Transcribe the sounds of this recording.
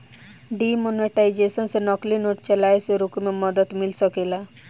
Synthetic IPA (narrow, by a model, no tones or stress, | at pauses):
ɖimoneʈajd͡ʑesənsenɔklinoʈ̚t͡ʃəlajseɾukmemɔd̪ət̪milsəkela